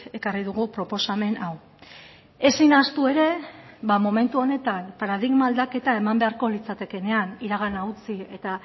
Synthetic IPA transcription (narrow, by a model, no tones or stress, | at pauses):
e̞kariðuɣupɾo̞po̞same̞naw | e̞sinast̪ue̞ɾe̞βamo̞me̞nt̪uo̞ne̞t̪anpaɾað̞iɣmald̪ake̞t̪ae̞mambe̞aɾko̞lit͡sat̪e̞ke̞ne̞aniɾaɣ̞anaut͡sie̞t̪a